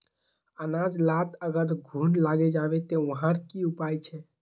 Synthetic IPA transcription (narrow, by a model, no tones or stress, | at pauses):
ənad͡ʒlat̪əɡəɾɡʱuːnlaɡed͡ʒabet̪oʋəɦãɾkiupajt͡ʃʰɛ